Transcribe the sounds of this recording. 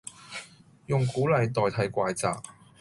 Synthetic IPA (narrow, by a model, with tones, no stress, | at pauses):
jʊ˨˩ŋkuː˨˥lɐ˨jt̪ɔː˨jt̪ʰɐ˨˥jkʷaː˧jt͡sa̰ː˨k̚